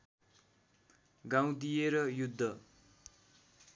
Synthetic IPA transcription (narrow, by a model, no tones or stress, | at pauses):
ɡaw̃d̪ijeɾʌjud̪ʱːʌ